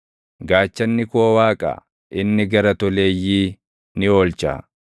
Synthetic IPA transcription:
ɡaːt͡ʃːɐnːɪkowaːkʼa̰ː | ʔɪnːɪɡɐɾɐt̪ɔleːjːiː | nɪo̞ːlt͡ʃa̰ː

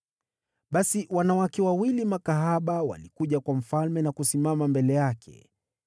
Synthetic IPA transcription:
ɓasiwanawakɛwawilimakaɦaɓawa̰likuʄakwam̩falmɛnakusimamambɛlɛjakʰɛ̰

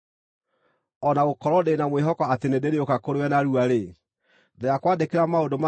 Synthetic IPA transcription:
ɔnaɣokɔɾɔdenamweɦɔkɔatenedeɾeokakoɾewɛnaɾuaɾe | dejakwaːdekeɾamaodoma

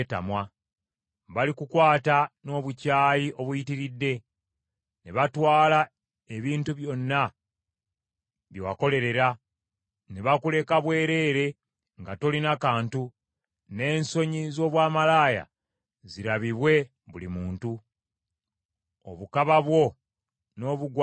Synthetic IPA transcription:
ta̰mwa | βalikukwaːtano̞ːβucaːjiʔo̞βujitiɾidːe̞ | neβatwaːla | e̞βiːntuβjo̞nːa | βjowako̞le̞ɾe̞ɾa | neβakule̞kaβwe̞ːɾe̞ːɾe̞ | ŋɡato̞linakaːntu | ne̞ːnso̞ɲizo̞ːβwaːmalaːja̰ | ziɾaβiβwe̞ | βulimuːntu | o̰βukaβaβwo̞ | no̞ːβuɡw

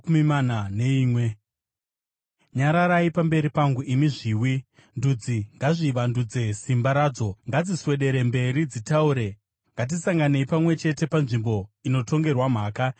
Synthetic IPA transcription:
mimananeiːmwe | ɲaɾaɾaipambe̞ɾipaŋɡuimiʐiːwi | ndud͡ziŋɡaʐiʋandud͡ze̞simbaɾaːd͡zo̞ŋɡad͡ziswe̞ɗe̞ɾe̞mbe̞ɾid͡zitauːɾe̞ | ŋɡat̬isaŋɡane̞ipamwe̞t͡ʃe̞te̞panʐimbo̞ino̞to̞ŋɡe̞rwam̤aːka

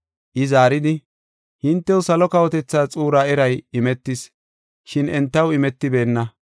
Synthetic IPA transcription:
ʔɪzaːɾɪd̪ɪ | hɪnt̪ːɛwʊsɐlɔkɐwɔt̪ɛt͡sːaːt͡sʼuːɾaːɛɾɐjɪmɛt̪ːɪs | ʃɪnɛnt̪ːɐwɪmɛt̪ːɪbe̞ːnːɐ

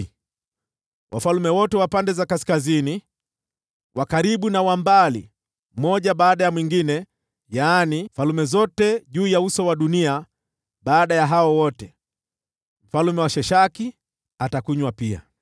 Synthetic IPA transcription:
wʔa̰falumɛwɔtɛwapandɛzakaskazini | wʔakaɾiɓunawambalḭ | mɔʄaɓaːɗajamwiŋɡinɛ | jaːnimfalumɛzɔtɛʄuːjausɔwaɗunia | ɓaːɗajaɦaɔwɔtɛ | m̩falumɛwaʃɛʃaki | atakuɲwapia̰

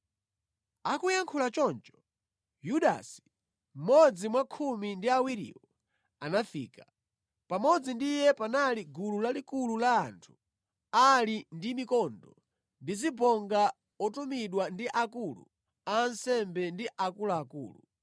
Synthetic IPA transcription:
akujaŋkʰulat͡ʃɔnt͡ʃɔ̥ | juɗa̰si̥ | m̩mɔd͡zimwakʰumindiawiɾḭːwɔ | anafḭːka | pamɔd͡zindijɛpanaliɡululalikululaːntʰu̥ | alindimikɔndɔ | ndizibɔŋɡa | ɔtumiɗwandiʔakulṵ | aːnsɛmbɛndiʔakulaːkṵːlṵ

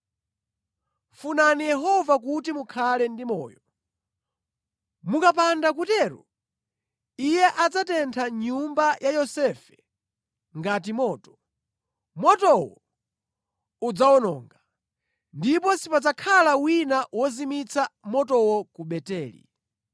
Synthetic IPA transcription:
funanijɛɦɔvak̬utimukʰalɛndimɔ̰ːjɔ | mukapandakutɛːɾṵ | ijɛʔad͡zatɛntʰaɲumbajajɔsɛfɛ̥ | ŋɡat̬imɔːtɔ̥ | mɔtɔwɔ | ud͡zawɔnɔːŋɡa | ndipɔsipad͡zakʰalawinawɔzimit͡sʰamɔtɔwɔkuɓɛtɛːlḭ

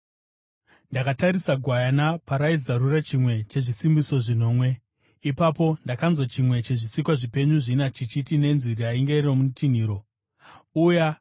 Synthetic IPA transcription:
ndakataɾisaɡʱwajanapaɾaizarurat͡ʃimwe̞t͡ʃe̞ʐisimbiso̞ʐino̞ːmwe̞ | ipapo̞ndakanzwat͡ʃimwe̞t͡ʃe̞ʐisikwaʐipe̞ɲuʐinat͡ʃit͡ʃitine̞nziɾiaiŋɡe̞romutʰin̤iːɾo̞ | uja

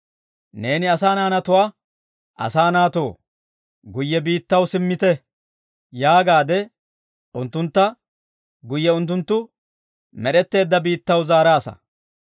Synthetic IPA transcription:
ne̞ːnɪɐsaːnaːnɐt̪ʊwaː | ʔɐ̰saːnaːt̪o̞ː | ɡʊjːɛbiːt̪ːɐwsɪmːɪt̪ɛ | jaːɡaːd̪ɛ | ʔʊnt̪ːʊnt̪ːɐ | ɡʊjːɛʊnt̪̬ːʊnt̪ːʊ | mɛɗɛt̪ːe̞ːd̪ːɐbiːt̪ːɐwzaːɾaːsɐ̰

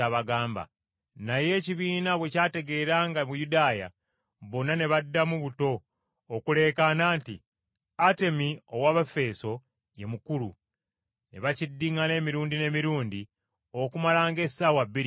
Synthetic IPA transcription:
aβaɡaːmba̰ | naje̞ːciβiːnaβwe̞caːte̞ɡe̞ːɾaːŋɡamujudaːja̰ | βo̞nːane̞βadːamuβuto̞ː | kule̞ːkanaːntḭ | ate̞mio̞waːβafe̞ːso̞ | je̞mukulṵ | ne̞βacidːiŋale̞ːmiɾuːndine̞ːmiɾuːndi | okumalaːŋɡe̞sːaːwaβːiɾi

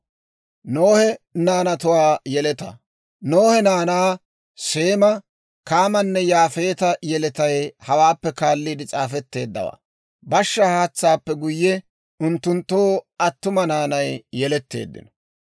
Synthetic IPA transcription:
noːhɛnaːnɐt̪ʊwaːjɛlɛt̪ɐ̰ | noːhɛnaːnaː | se̞ːmɐ | kaːmɐnːɛjaːfe̞ːt̪ɐjɛlɛt̪ɐjhɐwaːpːɛkaːlːiːd̪ɪt͡sʼaːfɛt̪ːe̞ːd̪ːɐ̰wa̰ː | bɐʃːɐhaːt͡sːaːpːɛɡʊjːɛ | ʊnt̪ːʊnt̪ːoːɐt̪ːʊmɐnaːnɐjjɛlɛt̪ːe̞̰ːd̪ːɪ̰nɔ̥

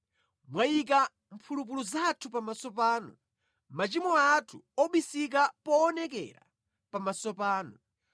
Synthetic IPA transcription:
mwajik̬a | mpʰulup̬uluzatʰupamasɔpaːnɔ̰ | mat͡ʃimɔatʰuɔɓisik̬apɔːnɛkɛ̰ɾa̰ | pamasɔpaːnɔ

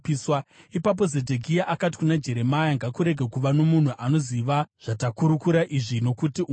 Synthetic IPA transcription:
iswaipap̬o̞zedʱeɡʱijaʔakati̥kunad͡ʒe̞ɾe̞majaŋɡakuɾe̞ɡʱekuʋano̞mun̤uʔano̞ziʋaʐ̥atakuɾukuɾaʔiʐino̞kutiʔ

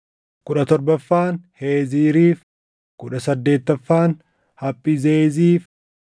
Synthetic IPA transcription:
kʊᶑɐt̪ɔɾbɐfːaːnhe̞ːziːɾiːf | kʊᶑɐsɐd̪ːe̞ːt̪ːɐfːaːn | hɐpʼːizeːziːf

